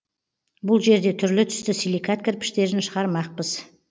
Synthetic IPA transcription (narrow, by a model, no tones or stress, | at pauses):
bʊlˠʒe̞ɾd̪e̞t̪ʰʏɾlɪt̪ʰʏ̥st̪ɪsilʲˠijkat̪̚kʲʰɪɾpɪ̥ʃt̪e̞ɾɪnʃəʁɑɾmɑq̚pəz̥